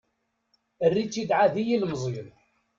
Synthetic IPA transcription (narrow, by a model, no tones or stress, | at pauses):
ərːit͡sːid̪ʕaðijilmzˤjən